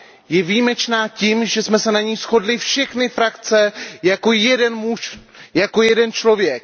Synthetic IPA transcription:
jɛvijmɛt͡ʃnaːcimʒɛsmɛsɛnaɲijsxo̞dlɪfʃɛxnɪfɾakt͡sɛjako̞jɛdɛnmuʃjako̞jɛdɛnt͡ʃlo̞vjɛk̚

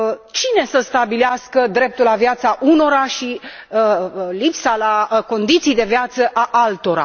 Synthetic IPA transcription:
t͡ʃine̞səst̪abileaskəd̪ɾe̞p̚t̪ulavjat̪saʔuno̞ɾaʃi | lipsalako̞nd̪it̪sijd̪e̞vjat̪səʔaʔalt̪o̞ɾa̰

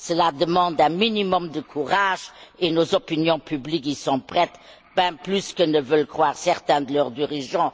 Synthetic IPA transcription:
səlad̪əmɑ̃d̪ɛ̃minimɔmd̪əkʰuʁaʒenozɔpinjɔ̃pʰyblikisɔ̃pχɛt̪ | b̥ɛ̃plyskənəvœlkχwaːʁsɛʁt̪ɛ̃d̪əlœʁd̪iʁiʒɑ̃

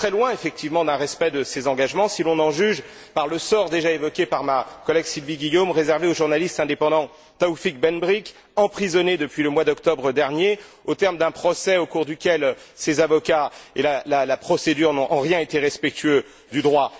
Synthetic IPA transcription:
t̪χɛlwɛ̃efɛk̚t̪ivmɑ̃d̪ɛ̃ʁɛspɛd̪əsezɑ̃ɡaʒmɑ̃silɔ̃nɑ̃ʒyʒ | paʁləsɔʁd̪eʒaevɔkʲepaʁmakɔlɛɡsilviɡʲijomʁezɛʁveoʒuʁnalist̪ɛ̃d̪epɑ̃d̪ɑ̃ | t̪aufik̚bɛnbʁik | ɑ̃pχizɔned̪əpɥiləmwad̪ɔkt̪ɔbʁəd̪ɛʁnjeot̪ɛʁmd̪ɛ̃pχɔsɛokuʁd̪ykʲɛlsezavɔkaelalalapχɔsed̪yʁnɔ̃ʔɑ̃ʁjɛ̃et̪eʁɛspɛk̚t̪yø | d̪yd̪ʁwa

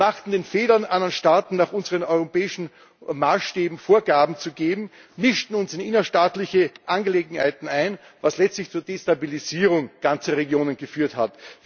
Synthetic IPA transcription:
maχtn̩deːnfeːlɐnʔanɐnʃtaːtn̩naːχʊnzəʁənɔʏʁopɛːɪʃn̩ | maːsʃteːbm̩foːɐɡaːbm̩t͡suɡeːbm̩ | mɪʃtn̩ʊnsɪnɪnɐʃtaːtlɪçəʔanɡəleːɡŋ̩hæ̰ɪtn̩æɪn | vaslɛt͡stlɪçt͡suːɐdeːstabiliziːʁʊŋɡ̥ant͡səʁeɡjoːnənɡəfyːɐthatv

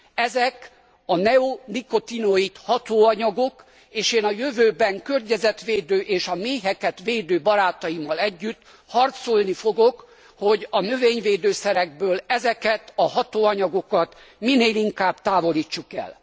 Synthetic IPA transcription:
ɛzɛk | ɒnɛoniko̞t̪inoit̪hɒt̪oːɒɲɒɡo̞k | eːʃeːnɒjøvøːbɛŋkørɲɛzɛt̪ʋeːd̪øːʔeːʃɒmeːɦɛkɛt̪ʋeːd̪øːbɒɾaːt̪ɒjimɒlɛɟːyt̪ː | hɒrt̪solnifo̞ɡok | ho̞ɟɒnøveːɲveːd̪øːsɛɾɛɡ̚bøːlɛzɛkɛt̪ɒhɒt̪oːɒɲɒɡo̞kɒt̪mineːliŋkaːbt̪aːvo̞liːt͡ʃːukɛ̰l

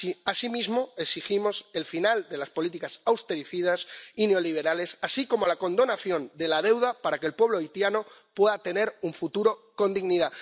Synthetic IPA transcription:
iasimizmo̞eksiximo̞se̞lfinald̪e̞laspo̞lit̪ikasawst̪e̞ɾifiðasine̞o̞liβ̞e̞ɾale̞sasiko̞mo̞lako̞nd̪o̞naθjo̞nd̪e̞lað̞e̞wð̞apaɾake̞lpwe̞β̞loit̪janopwe̞ðat̪e̞ne̞ɾuɱfut̪uɾo̞ko̞nd̪iɣniða

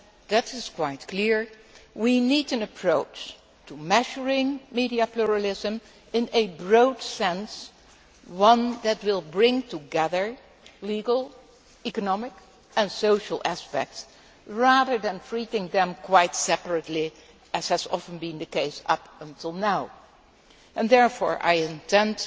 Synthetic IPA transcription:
ðɨɾɪz̥kʰw̥aɪtkʰl̥ɪɹwiniɾɨ̃nɨpʰɹ̥oʊt͡ʃ | tʰumɛʃə˞ɪ̃ŋmiɾiɨpluɹəlɪzə̃m | ɪ̃nɨbɹoʊdsɛ̃ns | wʌ̃nðɨt̚wɪlˠbɹɪ̃ŋtʰuɡɛðə˞ | liɡl̩ˠ | ikənɑmɪk | ʔɨ̃nsoʊʃl̩ˠæspɛ̰k̚ts | ɹæðə˞ðɨ̃nfɹiɾɪ̃ŋðɨ̃mkʰwaɪtsɛpəɹɨtˡli | ɨz̥hɨzɑ̰fə̃n̩bĩnðɨkeɪsʌ̰pə̃ntʰɪlˠnaʊ | ʔɨ̃ndɛɹfɔ̰ːɹʔa̰ɪɨ̃ntʰɛ̃nt

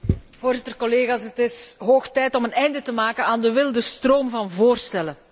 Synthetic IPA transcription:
v̥oːrzɪtərkɔleːɣaːsɦətɪsɦoːxtɛjtɔmənɛjndətəmaːkənaːndəʋɪlˠdəstroːmvɑnvoːrstɛlə

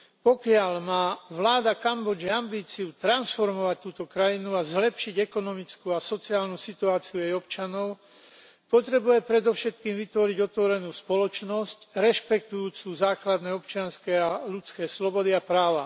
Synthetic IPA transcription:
pɔkɪalmaːʋlaːd̪akambɔd͡ʒiambiːt͡siut̪ɾansfɔɾmɔʋac̚t̪ːuːt̪ɔkɾajinuazlɛpʃiɟɛkɔnɔmit͡skuasɔt͡siaːlnusit̪uaːt͡siuɛjɔpt͡ʃanɔʊ | pɔt̪ɾɛbujɛpɾɛd̪ɔʊʃɛt̪kiːmʋit̪ʋɔɾiɟɔt̪ʋɔɾɛnuːspɔlɔt͡ʃnɔscɾɛʃpɛkt̪ujuːt͡suːzaːklad̪nɛːɔpt͡ʃɪanskɛalut͡skɛːslɔbɔd̪iapɾaːʋa

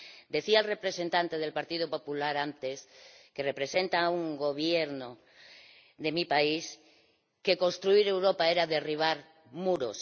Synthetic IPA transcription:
d̪e̞θialrepɾesent̪ant̪eðe̞lpaɾt̪iðopopulaɾant̪eskerepɾesent̪auŋɡo̞β̞jeɾno | ðemipais | keko̞nst̪ɾuiɾe̞wɾopaeɾaðe̞riβ̞aɾ | muɾos

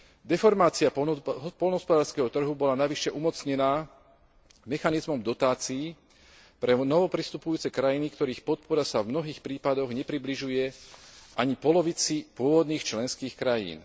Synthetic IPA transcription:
d̪ɛfɔɾmaːt͡siapɦpɔlnɦɔspɔd̪aːɾskɛɦɔt̪r̩ɦubɔlanaʋiʃɛʔumɔt͡sɲɛnaː | mɛxanizmɔmd̪ɔt̪aːt͡siː | pɾɛnɔʋɔpɾist̪upujuːt͡sɛkɾajinikt̪ɔɾiːxpɔt̪̚pɔɾasavmnɔɦiːxpɾiːpad̪ɔɣɲɛpɾibliʒujɛʔaɲipɔlɔʋit͡sipʊɔʋɔd̪niːxt͡ʃlɛnskiːxkɾajḭːn

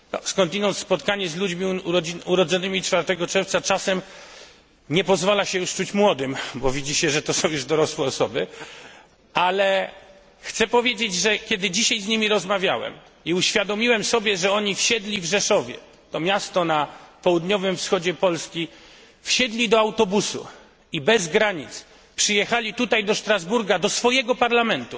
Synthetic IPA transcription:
nɔ̰skɔ̃nt̪inɔnt̪spɔt̪kaɲɛzlud͡ʑmʲiɔiuɾɔd̪zɔnɘmʲit͡ʂfaɾt̪ɛɡɔt͡ʂɛɾft̪sat͡ʂasɛm | ɲɛpɔzvalaɕɛjuʂt͡ʂut͡ɕmwɔd̪ɘmbɔvʲid͡ʑiɕɛʐɛt̪ɔsɔ̃w̃juʐd̪ɔɾɔswɛɔsɔbɘ | alɛ | xt̪sɛpɔvʲjed͡ʑed͡ʑʐɛkʲɛd̪ɘd͡ʑiɕajzɲimʲiɾɔzmavʲjawɛ̰m | iuɕfʲjad̪ɔmʲiwɛmsɔbʲjɛʐɛɔɲifɕɛd̪lʲivʐɛʂɔvʲjɛ̰ | t̪ɔmʲjast̪ɔnapɔwud̪ɲɔvɘmfsxɔd͡ʑɛpɔlskʲi | fɕɛd̪lʲid̪ɔawt̪ɔbusṵ | ibɛzɡɾaɲit̪s | pʂɨjɛxalʲit̪ut̪ajd̪ɔʂt̪ɾazbuɾɡad̪ɔsfɔjɛɡɔpaɾlamɛnt̪u

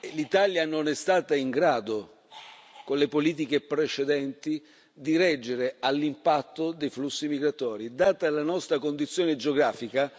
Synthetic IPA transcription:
lit̪aljanonɛst̪aːt̪aiŋɡɾaːd̪o | konlepoliːt̪̬ik̟epɾet͡ʃed̪ɛnt̪i | d̪iɾɛd͡ʒːeɾealːimpat̪ːod̪ejflusːimiɡɾat̪ɔːɾid̪aːt̪alːanɔst̪ɾakond̪it̪sːjoːned͡ʒeoɡɾaːfika

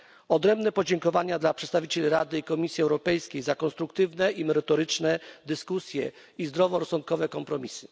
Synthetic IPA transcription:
ɔd̪ɾɛmbnɛpɔd͡ʑɛŋkɔvaɲad̪lapʂɛt̪st̪avʲit͡ɕelʲiɾa̰d̪ɘikɔmʲisʲjiɛwɾɔpɛjskʲejzakɔ̃nst̪ɾuk̚t̪ɘvnɛimɛɾɛt̪ɔɾɘt͡ʂnɛd̪ɘskusʲjɛ | izd̪ɾɔvɔɾɔsɔnt̪kɔvɛkɔmpɾɔmʲisɘ̥

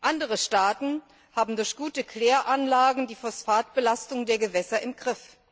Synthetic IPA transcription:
ʔandəʁəʃtaːtn̩ | haːbm̩dʊɐçɡ̥uːtəkʰl̥eːɐʔanlaːɡŋ̩diːfɔsfaːtb̥əlastʊŋdeːɐɡəvɛsɐʔɪmɡ̥ʁɪf

